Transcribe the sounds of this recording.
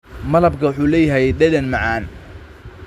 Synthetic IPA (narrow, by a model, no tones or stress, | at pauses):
mɐlɐbkʰɐwʊħuːlɛːjɐɦɛjɛɖɛdɛnmɑʕɑːn